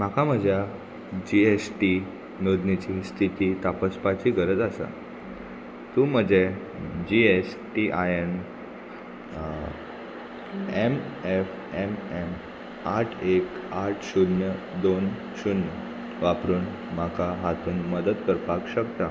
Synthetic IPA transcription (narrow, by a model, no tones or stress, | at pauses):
makam̤əd͡ʑja | d͡ʑiesʈi | nod̪nit͡ɕist̪ʰit̪iːt̪apəspat͡ɕiːɡʱəɾəd͡zasa̰ | t̪uːm̤əd͡ʑe | d͡ʑiesʈiʔajen | emef | emem | aʈʰekaʈʰɕunjə | d̪on | ɕunjə | ʋapɾuːn | makʰaɦat̪uːnməd̪ət̪kəɾpakɕəkt̪a